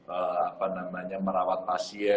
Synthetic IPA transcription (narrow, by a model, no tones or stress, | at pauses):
əapanamaɲaməɾawat̪̚masi